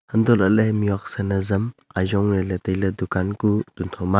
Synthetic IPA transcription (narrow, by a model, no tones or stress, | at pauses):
hɐndɔlɐlemiwak̚sɐnɐzɐmajzɔŋnɐletejlɐdukankutuntʰawma